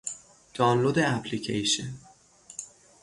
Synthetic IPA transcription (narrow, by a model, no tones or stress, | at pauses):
d̪̥ɒnlod̪eæpʰlicʰejʃḛn